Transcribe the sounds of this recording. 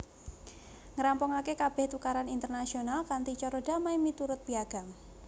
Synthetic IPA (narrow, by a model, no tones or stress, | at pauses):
ŋəɾampɔŋakekab̥ɛ̤ht̪ukaɾanint̪ərnasionalkant̪it͡ʃɔɾoda̤majmit̪uɾʊt̪̚b̥iaɡ̥a̤m